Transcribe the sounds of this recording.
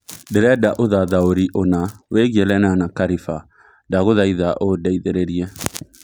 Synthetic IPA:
dɛɾɛdaʔoðaðaoɾiʔonaweɣieɾɛnanakaɾifa | daɣoðaiðaʔodɛiðeɾeɾiɛ

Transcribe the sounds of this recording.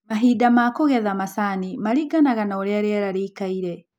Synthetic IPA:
maɦidamakoɣɛðamasanimaɾiɡanaɣanaoɾeaɾeaɾaɾeːkaiɾɛ

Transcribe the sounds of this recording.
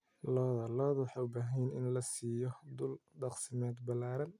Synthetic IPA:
lɔːðɐlɔːðɐwɑħɑːʊbaːɦɛjnɪ̰nlɐsiːjɔd̪ʊlɖɑqsɪmɛːd̪bɐlːaːɾɐn

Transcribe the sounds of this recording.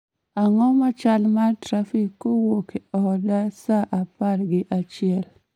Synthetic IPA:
aŋɔmat͡ʃalmartɾafikːowokeɔdasaʔaparɡɪʔat͡ʃɪɛl

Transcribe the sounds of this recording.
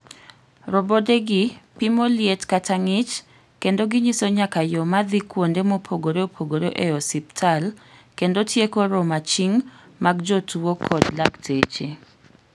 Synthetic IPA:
ɾɔbodeɡɪpimoljetkataŋɪt͡ʃ | kendoɡɪɲisoɲakajɔmad̪ikwondemopʰoɡoɾeopʰoɡoɾoʔeɔsiptʰalkendotjekoɾɔmat͡ʃiŋ | maɡd͡ʒɔtʰuwokʰɔdlaktʰet͡ʃe

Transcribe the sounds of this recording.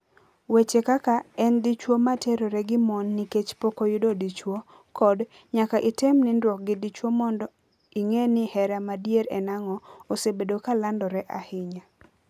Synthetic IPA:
wet͡ʃekakaɛndit͡ʃwomatʰeɾoɾɛɡɪmɔnːiket͡ʃpokojʊdodit͡ʃwo | kɔd | ɲakaʔɪtemnɪndwɔk̚ɡɪdit͡ʃwomɔndɔ | iŋenɪhɛɾamadjeɾɛnaŋɔosebedokalandɔɾɛʔahɪɲa

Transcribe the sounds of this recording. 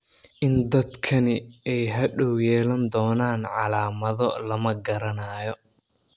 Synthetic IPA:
ʔɪnd̪ɐd̪kʰɐnɪɛjɦɐɖɔwjɛːlɐnd̪ɔːnaːnʕɑlaːmɐðɔlɐmɐɡɐɾɐnaːjɔ

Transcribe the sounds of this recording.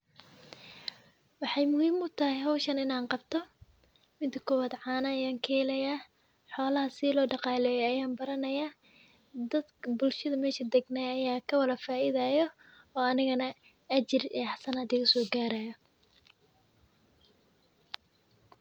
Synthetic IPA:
wɑħɑjmʊhiːmʊt̪ʰɐɦɛjɦɐwʃɐnɪnaːnqɑbt̪ʰɔ | mɪnt̪ʰɐkʰʊwɐd̪ʕɑːnɐːjaːŋkʰɛːlɐjaː | ħɔːlɐɦɐsɪlɔːɖɑqɑːlɛjɛɐjaːnbɐɾɐnɐjaː | d̪ɐd̪bʊlʃɐðɐmɛːʃɐd̪ɛɡnɛːɐjaːkʰɐwɐlɐfaːɪðaːjɔ | ɔːɐnɪɣɐnɐ | ɐt͡ʃɪrḭːħɑsɐnaːd̪ɪɣʊsɔːɡaːɾɐjɔ

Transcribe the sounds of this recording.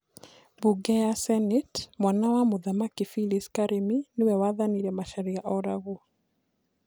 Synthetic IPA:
buɡɛasɛnɛtmwanawamuðamakifiliskaɾʔiminiwɛwaðaniɾɛmaʃaɾiaʔɔɾaɣu

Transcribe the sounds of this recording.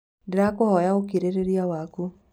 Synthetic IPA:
deɾakohɔjaokiɾeɾeɾiawaku

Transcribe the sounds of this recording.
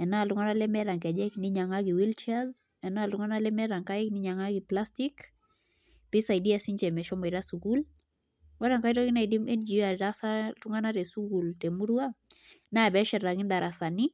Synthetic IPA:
ɛnaltuŋɡanalɛmɛɾaŋkɛd͡ʒɛkniɲaŋaɡiwilt͡ʃaz | ɛnaltuŋanalɛmɛɾaŋkaikniɲaŋaɡiplastik | pisajdiasiɲd͡ʒɛmɛʃɔmbaiɾasuɡul | waɾaŋkaiɾɔkinaidimɛnd͡ʒiaɾiɾasatuŋɡanaɾɛsuɡultɛmuɾuanabɛʃɛɾːaŋindaɾʔasani

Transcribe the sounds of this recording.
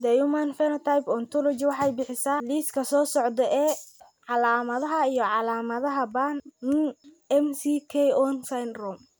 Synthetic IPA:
d̪ɐjumanfɛnɐt̪ʰajbɔnt̪ʰɔlɔt͡ʃɪwɑħɑjbɪħɪsaːliːskʰɐsɔːsɔʕd̪ɔʔɛː | ʕɑlaːmɐðɐɦɐijɔʕɑlaːmɐðɐɦɐbannn | ɛmsikʰɛjɔnsajnrɔm

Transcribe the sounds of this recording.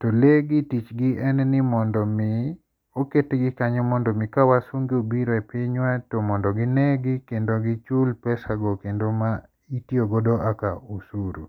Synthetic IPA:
toleɡɪtit͡ʃɡɪʔɛnɛnɪmɔndɔmɪ | oketeɡɪkaɲemɔndɔmikawasoŋɡiobiɾoɛpɪɲwatomɔndɔɡɪnɛɡɪkendoɡɪt͡ʃulpɛsaɡokendoma | itjoɡodoʔakausuɾṵ

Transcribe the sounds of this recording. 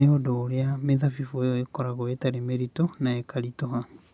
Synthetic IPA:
eodoːɾeameðafifuejɔekɔɾaɣoetaɾemeɾitonaekaɾitoɦa

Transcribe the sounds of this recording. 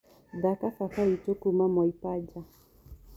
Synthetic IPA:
dakafakaitokumamɔipad͡ʒa

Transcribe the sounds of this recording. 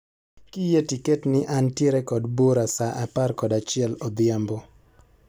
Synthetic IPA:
kijetiketnɪʔantjeɾɛkɔdboɾasaʔaparkɔdat͡ʃɪɛlɔd̪jambo

